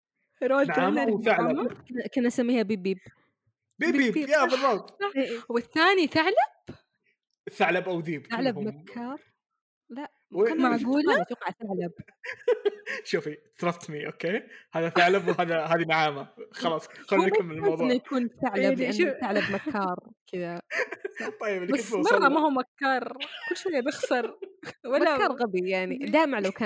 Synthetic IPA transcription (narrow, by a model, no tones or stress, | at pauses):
ɾˤɑnʕʕaːθaʕlankʊnʔasamːiːhabiːbiːb | bibiːbjabɑrˤːɑɑħwɪθːaːniθaʕlab̥ | θaʕlabʔawd̪iːbaʕlabmakʰːɑːɾˤ | laʔ | wanmaʕʕɡuːlaat̪uqɪʕat̪aʕlab̚ | ʃuːfit̪ɾˤɑt̪ːmiʔokeːhaːðaθaʕlabwhaːðaɦaːðinaʕaːmaxɑlɑːsˤxankamːɪlɪlmawdˤɪnːajakuːnθaʕlalɪʔanːθaʕlabmakʰːɑːɾˤkɪd̪a | t̪ˤːɑjːɪblbamɑrˤːɑmahuːmakːɑːɾˤkʊlːʃwejabɪxsɑɾˤwalmlːaɑːɾˤɣabijaʕnid̪aːmaʕlawkaː